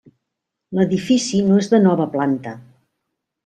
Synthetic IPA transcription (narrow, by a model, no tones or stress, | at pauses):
ləðifisinoezðənɔβəplant̪ə